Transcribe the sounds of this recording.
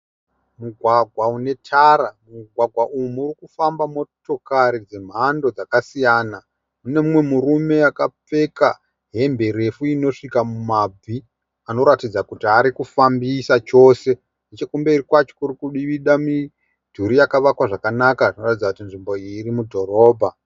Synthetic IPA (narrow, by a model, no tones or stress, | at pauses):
muɡʱwaɡʱwaune̞tʰaɾamuɡʱwaɡʱwaʔuumuːrikufambamo̞to̞kaɾid͡ze̞m̤ando̞d͡zakasijaːna | une̞mumwe̞murume̞akap͡fe̞ka | ɦe̞mbe̞ɾe̞fuino̞ʂikamumab͡vʱi | ano̞ɾatid͡zakutiaɾikufambisat͡ʃo̞ːse̞ | net͡ʃekumbe̞irikwat͡ʃo̥kuɾikuɗiʋiɗami | d̥ʱuɾijakaʋakwaʐakanakaʐino̞ratid͡zakutinʐimbo̞irimudʱo̞ɾo̞ːbʱa